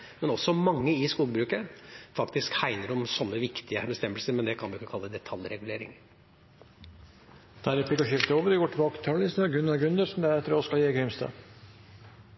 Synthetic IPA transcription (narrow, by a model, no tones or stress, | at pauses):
mɛnɔsːɔmɑŋːəɪskuːɡbɾʉːkəfɑkt̪ɪskhæɪnəɾɔmsɔnːəʋɪkt̪ɪəbəst̪ɛmbəlsəɾmɛnd̪ɛkʰɑnd̪ɪɪkːəkʰɑlːəd̪ɛt̪ʰɑljɾɛɡʉleːɾɪ̰ŋ | d̪̥æɾɪplɪkːɔʃɪft̪əoːʋəɾɪɡoːʈʰɪbɑːkə̥t̪ʰɑːllɪsnɡʉnɑɡʉnd̪əsn̩d̪æɾɛt̪ːəɾoskɑljeːɡɾɪmst̪ɑ̰ː